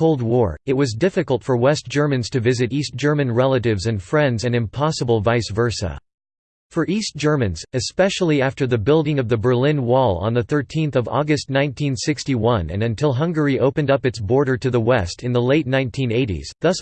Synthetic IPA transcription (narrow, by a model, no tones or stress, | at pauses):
oʊlˠd̚wɔɹɨt̚wʌzdɪfɨkl̩ˠtfə˞wɛsd̥ʒ̥ɜ˞mɨ̃nz̥tʰɨvɪzɨɾisd̥ʒ̥ɜ˞mɨ̃nɹɛlˠəɾɪvzɨ̃nfɹɛ̃ndzɨ̃nɨ̃mpʰɑsəbl̩ˠvaɪsvɜ˞sə̰ | fə˞ʔistd̥ʒ̥ɜ˞mɨ̃nzɨspɛʃl̩ˠiæftə˞ðɨbɪlˠdɪ̃ŋʌvðɨbə˞lɪ̃nwɔlˠə̰̃nðɨθɜ˞tʰĩnθʌvɔ̰ɡɨstⁿnãɪ̃ntʰĩnsɪkstiwʌ̃nɨ̰̃nɨ̃ntʰɪlˠɦʌ̃ŋɡə˞iʔoʊpɨ̃ndʌpɨtsb̥ɔɹɾə˞ɾɨðəwɛstʰɨ̃nðəleɪtⁿnãɪ̃ntʰĩneɪɾḭz̥ðʌs